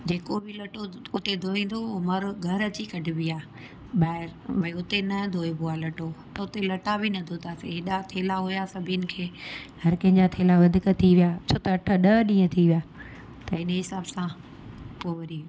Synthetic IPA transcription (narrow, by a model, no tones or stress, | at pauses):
d͡ʑeːkobʱɪlɐʈoʊt̪ed̪ʱoːĩːn̆d̪omɐɾɡʱɐɾət͡ɕikɐɖʱɪbijaː | ɓaːɦɪɾʋɐiʊt̪enɐd̪ʱoːebʊalɐʈot̪ɐʊt̪elɐʈabʱɪnɐd̪ʱot̪ʰaːseɦɪɗat̪ʰeːlaɦʊjasɐbʱijənɪ̆kʰeːhɐɾkɐ̃ɦɪ̃ɲd͡ʑat̪ʰeːlaʋɐd̪ʱɪkt̪ʰiʋijaːt͡ɕʰoːt̪ɐːʈʰə̆ɗɐɗĩːə̃t̪ʰiʋijaː | t̪ɐɪnɦɪsaːbsã | poːʋɐɾiː